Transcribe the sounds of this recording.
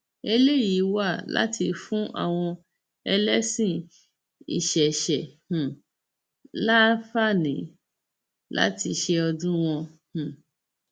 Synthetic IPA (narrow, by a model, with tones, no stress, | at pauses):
e˧le˦ji˨˦wa˦˨la̰˦ti˧fũ˦ʔa̰˦˨w̃ɔ̃˧ | ɛ˧lɛ˦sĩ˦˨ | ḭ˨ʃɛ˨ʃɛ˨hũ˨ | la˦fa˦˨nĩ˨˦ | la̰˦ti˧ʃɛ˧ɔ˧dũ˦w̃ɔ̃˧hũ˨